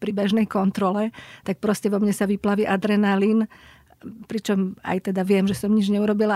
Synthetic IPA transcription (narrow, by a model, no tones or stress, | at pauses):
pɾibɛʒnɛjkɔnt̪ɾɔlɛt̪ak̚pɾɔscɛʋɔmɲɛsaʋiplaʋiːʔad̪ɾɛnalin | pɾit͡ʃɔma̰jt̪ɛd̪aʋɪɛmʒɛsɔmɲid͡ʒɲɛuɾɔbila